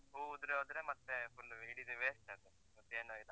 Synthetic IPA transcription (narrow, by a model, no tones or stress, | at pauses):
uːud̪ɾeɦoːd̪ɾemɐt̪ːepulːiɽid̪uʋeːsʈɐt̪ːe | mɐt̪ːeːnoilɐ